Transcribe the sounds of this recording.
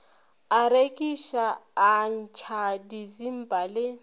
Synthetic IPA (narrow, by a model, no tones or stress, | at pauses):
aɾekʼiʃaːn̩t͡ʃʰadizim̩bʼʱale